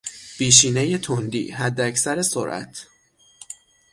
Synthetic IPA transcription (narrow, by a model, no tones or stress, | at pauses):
piːʃiːne̞jet̪ʰond̪ḭːɦæd̪ːeæcʰsæɾe̞so̰ɾʔæ̰t̪ʰ